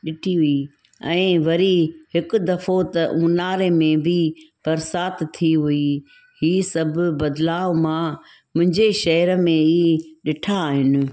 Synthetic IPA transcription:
ɗɪʈʰiɦʊi | ɛ̃ːʋɐɾihɪkʊ̆d̪ɐfot̪ɐʔũːnaːɾemẽbib̥ɐɾsaːt̪t̪ʰːiɦʊi | hiːsɐbʱbɐd̪laːʋmã | mʊ̃ɦɪ̃ɲd͡ʑeʃɐɦəɾəmẽiːɗɪʈʰaːɦɪnɪ̆

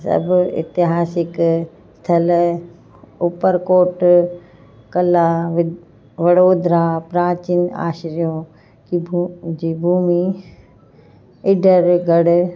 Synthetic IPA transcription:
sɐ̰bʊɪ̰t̪ɪɦaːsɪk | st̪ʰɐl | ʊpəɾkoːʈ | kɐlaʋ | ʋɐɽoːd̪ɾaːpɾaːt͡ɕina̰ːʃɾijõː | d͡ʑiːbʱuːmi | ɪɖʱəɾɡʱɐɽ

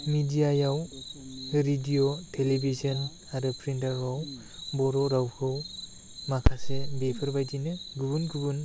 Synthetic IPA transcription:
midijajaw | ɾidijotʰelebʱizɔn | aɾɯpʰɾindaɾɦaw | bɔɾɔɾawkʰɯw | makʰasebepʰɯɾbajdinɯɡubunɡubun

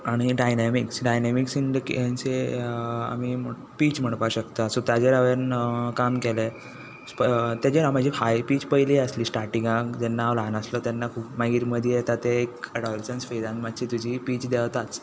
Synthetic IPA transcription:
aɽ̃iɖajnamiksɖajnamiksind̪əkant͡se | a̰mim | piːt͡ɕm̤əɽ̃paɕəkt̪asut̪jad͡ʑeɾaʋenkamkele | spət̪jad͡ʑeɾamad͡ʑʱifajpiːt͡ɕpəjliəsliːsʈaɾʈĩŋɡãkd͡zɛnːaːʋlanəslɔt̪janːakʰuːpmaɡiɾiməd̪ʱjet̪at̪eekəɖɔlesənsfejd̪ãnmad̪t͡ɕit̪ud͡ʑʱipiːt͡ɕd̪ɛʋt̪at͡s

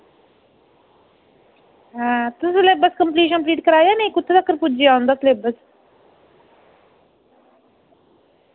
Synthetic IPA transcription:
ɦãːt̪ʊslebəskəmpliːʃ̬ənpliːʈkəɾaːjaːnẽĩkʊt̪ʰːed̪akːəɾpʊd͡ʒiaːʊ̃nd̪asleːbəs

